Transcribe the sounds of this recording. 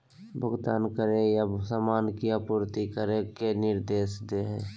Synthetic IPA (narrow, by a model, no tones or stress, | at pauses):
bʱʊɡt̪aːnkəɾejasaːmaːnkiapuːɾt̪ikəɾekenɪɾd̪eːsd̪eɦḛ̃ː